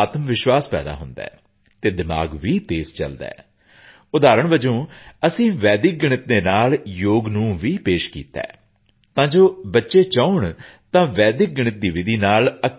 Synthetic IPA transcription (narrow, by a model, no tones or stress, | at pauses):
aːt̪əmʋɪʃʋaːspɛ̰ːd̪a̰ːɦʊnd̪ɛ̰ː | t̪eːd̪ɪma̰ːɡʋiːt̪eːzt͡ʃə̰ld̪ɛ̰ː | ʊd̪aːɾəɳʋəd͡ʒõːəsĩːʋɛːd̪ɪk̚ɡɪɳɪt̪neːnaːljoːɡnũːʋiːpeːʃkḭːt̪ɛ̰ː | t̪ãːd͡ʒoːbətːʃeːt͡ʃəːʊɳt̪ãːʋɛːd̪ɪk̚ɡɪɳ̃ɪt̪̚d̪iːʋɪd̪iːnaːlə